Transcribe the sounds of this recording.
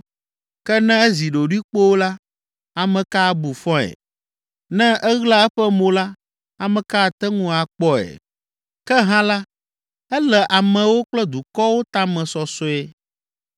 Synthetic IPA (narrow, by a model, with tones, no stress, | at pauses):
kɛ˦nɛ̃˦ɛ˦zi˨ɖo˨ɖwi˦k͡po˦wo˦la˦ | a˨mɛ̃˨ka˦˨bu˨fɔ̃˦ɛ̰˨ | nɛ̃˦ʔɛ˦ɣla˦ɛ˦ɸɛ˦mõ˨la˦ | a˨mɛ̃˨ka˦˨t̪ɛ˦ŋũ˦a˨k͡pɔ˦ɛ̰˨ | kɛ˦ɦã˦la˦ | ɛ˦lɛ˨ʔa˨mɛ̃˨wo˦k͡plɛ˦d̪u˨kɔ˦wo˦t̪a˦mɛ̃˨sɔ˨sɔ˦ɛ˦